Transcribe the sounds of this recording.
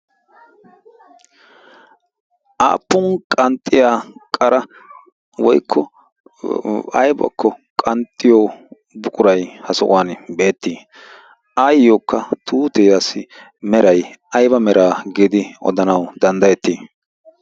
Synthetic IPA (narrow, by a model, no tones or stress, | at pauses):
ʔa̰ːpːʊnkʼɐnt̪ʼːɪjaːkʼɐɾɐ | wɔjkʰːɔ | ɐjbɐ̰kːɔkʼɐnt̪ʼːɪjoː | bʊkʼʊɾɐjhɐsɔʔʊ̰waːnbe̞ːt̪ːiː | ʔajːoːkːɐt̪ʰuːt̪ɛːjasɪ | mɛɾɐjʔɐjbɐmɛɾʔaːɡiːd̪ɪɔ̰d̪ɐnɐwd̪ɐnd̪ɐjɛt̪ːiː